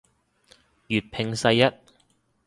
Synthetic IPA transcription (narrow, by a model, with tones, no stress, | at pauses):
jyː˨˩t̚pʰɪ˨˧ŋsɐ˧jːɐ˥t̚